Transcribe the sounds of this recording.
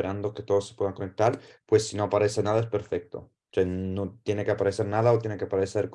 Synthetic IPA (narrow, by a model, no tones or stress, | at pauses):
eɾand̪oket̪oðosːepwe̞ðaŋkonek̚t̪aɾpwesːinoapaɾesenaðaespeɾfek̚t̪o̰ | t͡ʃenot̪jeneke̞apaɾeseɾnaðaot̪jenekeapaɾeseɾk